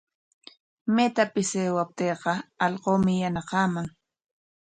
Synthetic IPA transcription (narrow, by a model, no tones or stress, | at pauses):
met̪apɪseːwap̚t̪eːqɑɑʎqoːmɪjanɑqɑːmaŋ